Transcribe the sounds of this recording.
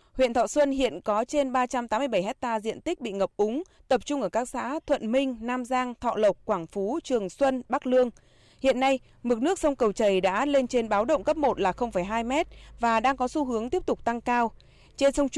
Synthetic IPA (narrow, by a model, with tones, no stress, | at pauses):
hwḭ˧˨ənt̪ʰɔ̰˧˨swə˧nhḭ˧˨ənkɔ˨˦t͡ɕe˧nɓaː˧t͡ɕa˧mt̪aː˨˦mɨ˧jɓə˧˩jɦɛ˦˥k̚t̪aː˧zḭ˧˨ənt̪i˦˥k̚ɓḭ˧˨ŋə˨˩p̚ʔʊ˨˦ŋ͡m | t̪ə˨˩p̚t͡ɕʊ˧ŋ͡mʔəː˧˩kaː˦˥k̚sa̰ː˧˥t̪ʰwə̰˧˨nmï˧ŋ̟naː˧mzaː˧ŋt̪ʰɔ̰˧˨lə˨˩wk͡p̚kːwaː˧˩ŋfu˨˦t͡ɕɨ˨˩əŋswə˧nɓa˦˥k̚lɨ˧əŋ | hḭ˧˨ənːa˧j | mɨ˨˩t̚nɨ˦˥ək̚sə˧wŋ͡mkə˨˩wt͡ɕə˨˩jɗa̰ː˧˥le˧nt͡ɕe˧nɓaː˨˦wɗə̰˧˨ŋ͡mkə˦˥p̚mo˨˩t̚laː˨˩xə˧wŋ͡mfə˧˩jɦaː˧jmɛ˦˥t̚vaː˨˩ɗaː˧ŋkɔ˨˦su˧ɦɨ˨˦əŋt̪i˦˥əp̚t̪ʊ˨˩k͡p̚t̪a˧ŋkaː˧w | t͡ɕe˧nsə˧wŋ͡m